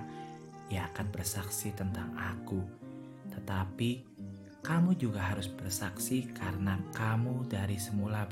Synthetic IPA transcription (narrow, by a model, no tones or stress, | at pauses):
jaːkanbərsaksit̪ənt̪aŋa̰ku | t̪ət̪api | kamud͡ʒuɡaɦaɾʊsb̥ərsaksikaɾənakamudaɾisəmula